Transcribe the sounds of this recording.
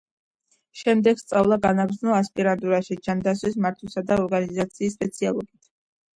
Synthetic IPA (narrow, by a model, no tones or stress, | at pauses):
ʃɛmd̪ɛɡ̥st̪sʼavlˠaɡanaɡɾd̪znɔaspʼiɾand̪ʼuɾaʃid͡ʒand̪asʰwis̬maɾt̪ʰwɛsad̪aɔɾɡanizat̪sʰiːsːpʼɛt̪sʰialˠɔɡit̪ʰ